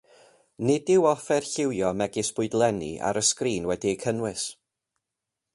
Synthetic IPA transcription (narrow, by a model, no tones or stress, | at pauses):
nɪdɪwɔfɛrɬɪwjɔmɛɡɪsb̥ʊɨdlˠɛnḭʔa̰ɾəskriːnwɛdiəkʰənwɪs